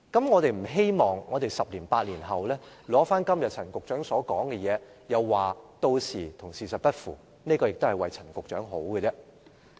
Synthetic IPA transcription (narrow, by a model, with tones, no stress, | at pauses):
kɐ˨˥mŋɔː˨˧t̪e˨jm̩˨˩ɦe˥jmɔː˨˩ŋːɔː˨˧t̪e˨jsɐ˨p̚liː˨˩npaː˧t̚liː˨˩nɦɐ˨wlɛː˥lɔː˨˥faː˥nkɐ˥mjɐ˨t̚t͡sʰɐ˨˩nkʊ˨k̚t͡ʃœː˨˥ŋsɔː˨˥kɔː˨˥ŋkɛ˧jɛː˨˧ | jɐ˨˧wːaː˨˩t̪o˧wsiː˨˩t̪ʰʊ˨˩ŋsiː˨˩sɐ˨t̚pɐ˥t̚fuː˨˩ | ne˥kɔ˧jɪ˨k̚t̪o˥hjwɐ˨jt͡sʰɐ˨˩nkʊ˨k̚t͡ʃœ̰ː˨˥ŋɦo˨˥wkə˧t͡sɛː˥